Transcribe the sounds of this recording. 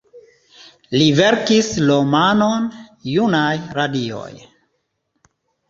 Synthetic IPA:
liveɾkislomanonjunajɾadio̰j

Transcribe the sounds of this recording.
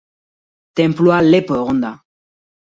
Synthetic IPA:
t̪ɛ̃mploalepəʁɔnd̪a

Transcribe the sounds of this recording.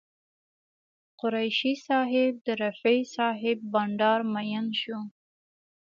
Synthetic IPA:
qʊɾajʃisɑɦɪb̚d̪əɾafejsɑɦɪbːɑɳɖɑɾmajanʃu

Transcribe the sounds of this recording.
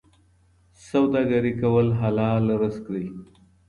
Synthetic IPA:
sawd̪ɑɡaɾikawəlɦalɑlaɾəskɽi

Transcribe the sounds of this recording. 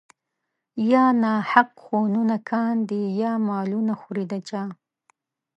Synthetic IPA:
jɑːnɑhaqxonunakʰɑnd̪ijɑmɑːlunaxuɾid̪at͡ʃɑ

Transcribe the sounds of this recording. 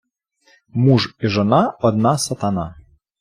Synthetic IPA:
muʐiʐɔnaɔd̪̚nasɐt̪ana̰

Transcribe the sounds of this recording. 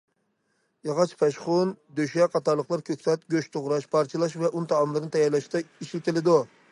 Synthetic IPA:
jɑʁɑt͡ʃʰpʰɛʃχʊnd̪øʃɛqʰɑt̪ɑɾlˠəqlˠɑɾkʲʰøkʲsɛt̪̚ɡʲøʃt̪ʰoʁɾɑʃpʰɑɾt͡ʃʰɨlˠɑʃvɛʔunɨt̪ʰɑɑmlˠɨɾnɨt̪ʰɛjɑɾlˠɑʃt̪ɑiʃilk̪ʲɪlɪd̪u

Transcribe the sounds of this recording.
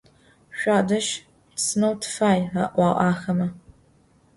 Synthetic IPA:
ʃʷaːdɐʃ | sɨnɐwtʰfaːjaʔʷɑːʔʼɑːxɐmɐ

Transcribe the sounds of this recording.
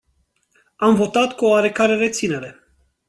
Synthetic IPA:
amvo̞t̪at̪kuoaɾe̞kaɾe̞ɾe̞t̪sine̞ɾe̞

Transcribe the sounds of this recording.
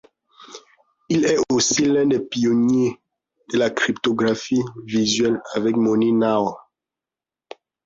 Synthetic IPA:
ilɛosilɛ̃d̪ɛpionje | d̪̥əlakʁipt̪oɡʁafivizɥɛlavɛkmonina

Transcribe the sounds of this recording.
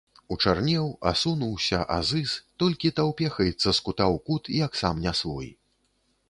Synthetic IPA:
ut͡ʂarnʲɛwa̰sunuwsʲɐʔa̰zɨst̪ɔlʲkʲit̪awpʲɛxɐjɛt̪sːɐskut̪awkut̪ijaksamnʲasvɔ̰j

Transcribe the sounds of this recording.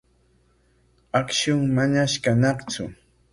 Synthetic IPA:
akʃʊŋmaɲaʃkanɑχt͡sʊ̰

